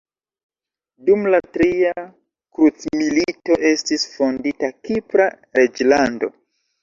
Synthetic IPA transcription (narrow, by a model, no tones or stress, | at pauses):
dumlatɾia | kɾut͡smilito̞ʔe̞stisfo̞nditakipɾa | ɾe̞d͡ʒlando̰